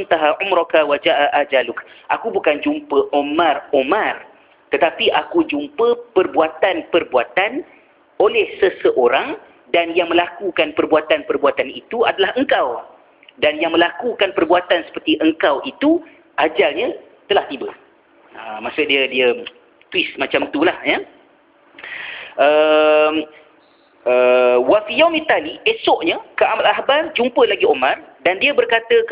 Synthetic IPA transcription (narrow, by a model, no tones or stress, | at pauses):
nt̪aɦaʕumɾɔkawad͡ʒaʔaʔad͡ʒalʊkʔakubukand͡ʒumpəʔomãromãr | t̪ət̪apiʔakud͡ʒumpəpərbuat̪anpərbuat̪an | olɛhsəsəʔoɾaŋ | danjaŋmə̃lakukanpərbuat̪anpərbuat̪anit̪uadalahəŋkaw | danjaŋmə̃lakukanpərbuat̪ansə̥pərt̪iʔəŋkawʔit̪u | ʔad͡ʒalɲə̃ | t̪əlaht̪ibə | əmãsʊʔ̚diədiə | t̪wɪsmat͡ʃamt̪ulahjə | ʔəm | əwafijamit̪aliʔesɔʔɲə̃kəamalaɦbat̪̚d͡ʒumpəlaɡiomãrdandiəbərkat̪ə